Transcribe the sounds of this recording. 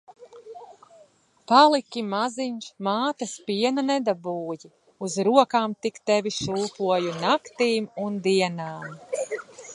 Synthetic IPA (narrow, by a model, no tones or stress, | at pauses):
palˠikʲimaziɲʃmaːt̪ɐspiɛnanɛd̪abuːji | uzɾuɔkaːmt̪ikt̪ɛvʲiʃuːpuɔjunakt̪iːmund̪iɛnaːm